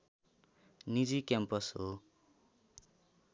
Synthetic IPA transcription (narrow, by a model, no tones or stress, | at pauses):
nid͡zikjampʌsɦo